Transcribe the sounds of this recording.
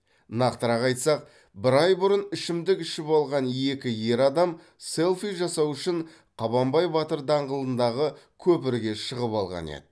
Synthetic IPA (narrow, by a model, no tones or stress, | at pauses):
nɑqt̪əɾɑqɑjt̪sɑq̚ | bɪɾɑjbʊɾənɪʃɪmd̪ɪkɪʃɪpɑlˠʁɑne̞kʲɪje̞ɾɑd̪ɑm | se̞lˠfijʒɑsɑwʏʃɪɴ | qʰɑβɑmbɑjbɑt̪əɾd̪ɑɴʁəlˠənd̪ɑʁəkʲʰɵpɪɾɡʲe̞ʃəʁəpɑlˠʁɑ̰nḛd̪ɪ